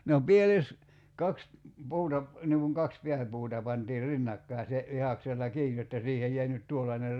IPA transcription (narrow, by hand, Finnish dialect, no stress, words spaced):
no pieles kɑks puːtɑ p niŋ kuŋ kɑks piæpuːtɑ pɑntiːr rinːɑkːɑi̞ se ʋihɑkselːɑ kiːj jotːɑ siːhej jæi nyt tuolːɑner